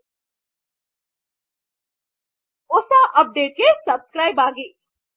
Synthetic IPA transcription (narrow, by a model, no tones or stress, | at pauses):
ʊsaʔɐp̚ɖeːʈ̚kesɐbskɾaːjbaːɡiː